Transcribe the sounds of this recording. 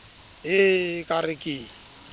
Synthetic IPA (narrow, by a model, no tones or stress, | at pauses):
ɦɪkʼarɪkʼiː